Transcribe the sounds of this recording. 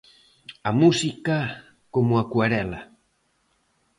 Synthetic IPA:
amusika | komuakwaɾɛla

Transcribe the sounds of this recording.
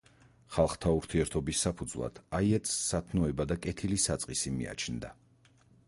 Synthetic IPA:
χalˠχt̪ʰauɾt̪ʰiɛɾt̪ʰɔbisːapʰud̪zvlˠa̰d̪̥ʰaiɛt̪ʼsːat̪ʰnɔɛbad̪akʼɛt̪ʰilisat̪sʼqʼisimḭa̰t͡ʃʰnd̪a̰

